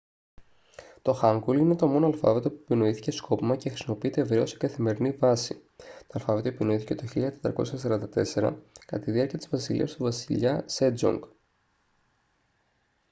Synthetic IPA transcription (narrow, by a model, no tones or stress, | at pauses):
t̪o̞xɐŋɡuline̞t̪omo̞noɐlfɐ̰ve̞t̪o̞puepino̞iθi̥ce̞sko̞pimɐcexɾisimo̞piit̪eːvɾeo̞se̥kɐθime̞ɾinivɐsit̪oɐlfɐve̞t̪oepino̞iθi̥ce̞t̪o̞çiʎɐt̪e̞t̪ɾɐko̞sçɐsɐɾɐnd̪ɐt̪e̞se̞ɾɐ̰kɐt̪ɐiðiɐɾciɐt̪izvɐsilḭɐ̰st̪uvɐsiʎɐsed͡zo̰ŋɡ